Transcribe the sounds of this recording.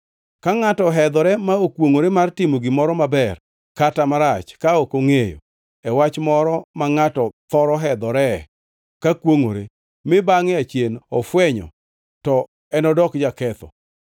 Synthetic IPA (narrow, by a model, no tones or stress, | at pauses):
kaŋatɔɦɛd̪ɔɾɛmaokwoŋoɾemartɪmoɡɪmɔɾɔmabɛr | katamaɾat͡ʃkaokoŋejo̰ | ɛwat͡ʃmɔɾɔmaŋatɔt̪ɔɾɔɦɛd̪ɔɾɛ | kakwoŋo̰ɾḛ | mɪbaŋɪat͡ʃjenɔfwɛɲɔ̰ | tɔ | ɛnɔdɔkd͡ʒakɛt̪ɔ̰